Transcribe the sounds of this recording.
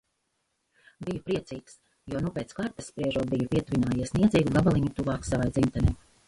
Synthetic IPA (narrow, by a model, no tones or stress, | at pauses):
bijupɾiɛt̪siːks | juɔnupeːt̪skaɾt̪asːpɾiɛʒuɔbijupʲiɛt̪uvinaːjiɛsʲniɛd̪ziːɡuɡabalˠiɲut̪uvaːksavajd̪zint̪anʲɛj